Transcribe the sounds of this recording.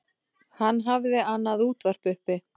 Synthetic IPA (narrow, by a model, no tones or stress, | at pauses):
hanːɦavðɪanːaðuːt̪var̥pʏhpɪ